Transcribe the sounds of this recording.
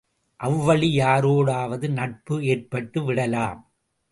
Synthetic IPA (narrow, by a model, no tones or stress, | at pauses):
ʔɐʋːɐɭijaːɾoːɽaːʋɐðɯnɐʈ̚pɯeːrpɐʈːɯʋɪɽɐlaːm